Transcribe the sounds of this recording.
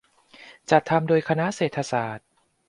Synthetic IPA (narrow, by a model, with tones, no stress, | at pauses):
t͡ɕa˨˩t̪ʰːa˧mdoː˧jkʰa˧na˦˥ʔseː˨˩t̪ʰːa˧saː˨˩t̪̚